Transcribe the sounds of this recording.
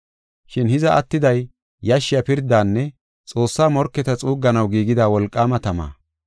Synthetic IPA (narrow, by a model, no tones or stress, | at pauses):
ʃɪnhɪzɐʔɐt̪ːɪd̪ɐj | jɐʃːɪjɐpɪɾd̪aːnːɛ | t͡sʼo̞ːsːaːmɔɾkːɛt̪ɐt͡sʼuːɡːɐnɐwɡiːɡɪd̪aːwɔlkʼːaːmɐt̪ɐma̰ː